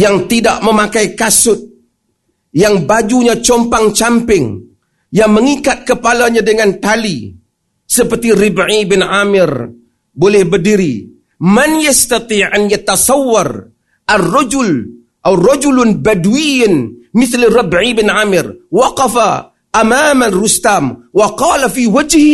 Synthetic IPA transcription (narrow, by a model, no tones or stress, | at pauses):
jaŋt̪idaʔməmakajkasʊt̪̚ | jaŋbad͡ʒuɲat͡ʃɔmpaŋt͡ʃampɪŋ | jaŋməŋikat̪̚kəpalaɲadəŋant̪ali | səpərt̪iɾɪbʕibɪnʕamɪr | bolɛhbərdiɾi | manjast̪at̪ˤiːʕanjat̪asɑwːar | ʔarːɑd͡ʒʊl | ʔawrɑd͡ʒulʊnbadwijanmɪθlrɑbʕibɪnʕamɪrwɑqɑfa | ʔːmamarust̪aːmwɑqɑːlafiwad͡ʒh